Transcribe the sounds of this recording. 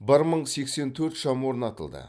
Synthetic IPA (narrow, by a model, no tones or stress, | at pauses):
bəɾməɴse̞kse̞nt̪ʰɵɾt̪ʃɑmwoɾənɑt̪əlˠd̪ə̰